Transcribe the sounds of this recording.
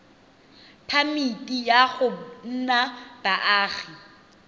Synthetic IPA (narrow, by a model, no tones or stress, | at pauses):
pʰamitʼijaɣʊn̩nab̥aʔaːɣi